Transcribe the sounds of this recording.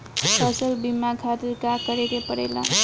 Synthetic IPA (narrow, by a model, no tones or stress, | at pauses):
pʌsəlbimakʰat̪iɾkakəɾeɾepəɽḛla̰